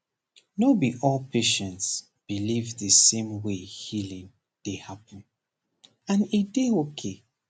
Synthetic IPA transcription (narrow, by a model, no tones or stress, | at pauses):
nobiʔɔlˠpʰeʃɛ̃nts | b̥ilivðəsẽmwehilĩŋ | d̥ehapə̃n | ãnedeokʰe